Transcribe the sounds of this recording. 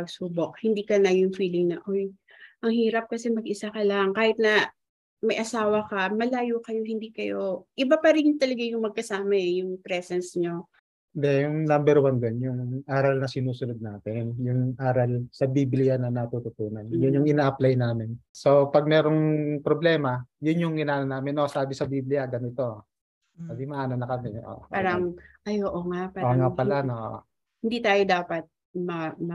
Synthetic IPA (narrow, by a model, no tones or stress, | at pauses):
ɡsuːbok̚hɪnd̪iːkɐnɐjʊŋfiːlɪŋnɐʔoj | ʔɐŋhiːɾɐp̚kɐsɛmɐɡʔɪsakɐlaŋkaːhɪt̪̚nɐ | mɐjʔɐsaːwɐkɐmɐlaːjuːkɐjo̞hɪnd̪iːkɐjo̞ʔɪbapɐɾɪɲʊŋt̪ɐlɐɡajʊŋmɐɡ̚kɐsaːmɐɛjʊŋpɾɛsɛnsɲo | ɪnd̪ɛjʊŋnambɛɾwand̪onjʊŋʔaːɾɐlnɐsɪnuːsʊnʊd̪̚naːt̪ɪnjʊŋʔaːɾɐlsɐbiːblɪjanɐnɐt̪ut̪ʊt̪uːnɐnjʊnjʊŋɪnaːʔɐplajnaːmɪnso̞pɐɡ̚mɛːɾo̞ŋpɾoblɛːmɐjʊnjʊŋhɪnaːnonaːmɪnʔosaːbɪsɐbiːblɪjɐɡɐnɪt̪o̞ | abɪmɐʔaːnonɐkɐmɛʔo̰ʔpaːɾɐŋʔɐjoːʔoŋapaoŋapɐlaoʔʔ | hɪnd̪it̪aːjod̪aːpɐt̪̚ | mɐmɐ